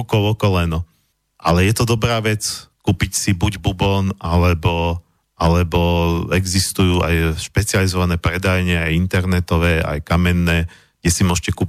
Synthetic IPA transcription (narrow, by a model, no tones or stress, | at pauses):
kɔʋɔkɔlɛnɔ | ʔa̰lɛjɛt̪ɔd̪ɔbɾaːʋɛt͡skuːpicsibuɟbubɔnʔalɛbɔ | ʔalɛbɔɛɡzist̪ujuːʔa̰jʃpɛt͡sializɔʋanɛːpɾɛd̪ajɲɛajint̪ɛɾnɛt̪ɔʋɛːa̰jkamɛnːɛː | ɡɟɛsimʊɔʃcɛkuːp